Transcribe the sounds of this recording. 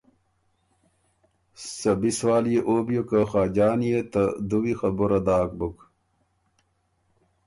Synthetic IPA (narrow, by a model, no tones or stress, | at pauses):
sɐbiswaːlijeʔoːbjokɐxaːd͡ʑaːnijet̪ɐd̪uwixɐbuɾɐd̪aːk̚buk